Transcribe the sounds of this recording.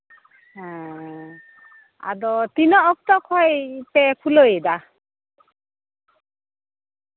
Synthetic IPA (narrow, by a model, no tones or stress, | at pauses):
ɦɛ̃ | a̰d̪ɔt̪inɔːk̚t̪ɔkʰɔjpɛkʰulojd̪a